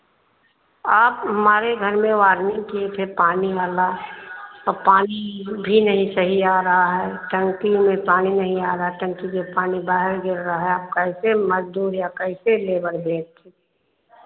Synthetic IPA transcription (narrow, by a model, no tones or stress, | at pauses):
aːpɦɐmaːɾeɡʱəɾmẽʋaːɾnɪ̃ŋɡkiet̪ʰepaːniaːla | ɔːɾpaːnibʱinəɦĩsəɦiaːɾəɦaɦɛʈə̃ŋkimẽpaːninəɦĩaːɾəɦaʈə̃ŋkid͡ʒopaːnibaːɦɪɾɡʱɪɾɾəɦaɦɛaːp̚kəɪseməd͡ʒd̪uːɾjakəɪseleːbəɾbʱeːd͡ʒ̚t̪ʰe